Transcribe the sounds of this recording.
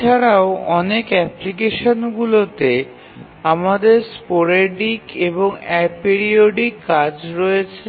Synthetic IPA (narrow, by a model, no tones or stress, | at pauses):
aɽaoɔnekɛplikeʃonɡulot̪e | amad̪eɾspoɾeɖikeboŋɛk̚peɾioɖikːad͡ʑɾɔet͡ɕʰe